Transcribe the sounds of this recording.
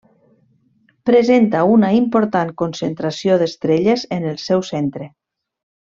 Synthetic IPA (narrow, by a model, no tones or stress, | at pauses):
pɾezent̪aunaimpoɾt̪aŋkonsent̪ɾasioðest̪ɾeʎezenəlˠsɛwsent̪ɾe